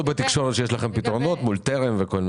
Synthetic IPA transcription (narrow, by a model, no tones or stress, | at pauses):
bet̪ikʃo̞ʁet̪ʃejeʃlaχe̞mpit̪ʁo̞no̞t̪mult̪eʁemveko̞lm